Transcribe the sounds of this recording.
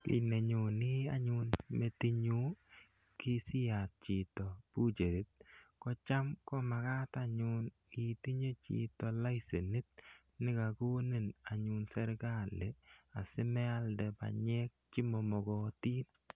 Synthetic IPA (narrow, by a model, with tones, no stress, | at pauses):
kḭ˨ne˨ɲu˨nɪ˦a˦ɲu˨nme˨ti˦ɲu˦ | ki˦sɪ˦ja˨t̚t͡ʃɪ˨tɔ˨bu˦t͡ʃe˨ɾi˦t̪̚kɔ˦t͡ʃa˦mkɔ˦ma˨ka˦ta˨ɲu˨n | i˨ti˦ɲe˦t͡ʃḭ˨tɔ˨la˦jse˨ni˦t̪̚ | nɪ˦ka˨ko˦ni˦˨na˨ɲu˨nsɛ˦ɾɡa˦le˨a˨sɪ˦mɛ˦a˦ldɛ˨ba̰˨ɲɛ˦k̚t͡ʃɪ˦mɔ˨mɔ˨ɡɔ˨ti˦n